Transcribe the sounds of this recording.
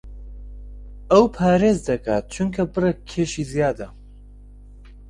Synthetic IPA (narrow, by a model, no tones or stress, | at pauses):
ɐwpʰaːɾeːzd̪ɐkʰaːt̪̚t͡ʃʰuŋkʰɐbɨrɐk̚kʰːeːʃizijaːd̪ɐ